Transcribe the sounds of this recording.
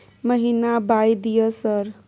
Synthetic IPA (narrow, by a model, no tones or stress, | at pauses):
məɦinabajd̪ijəsəɾ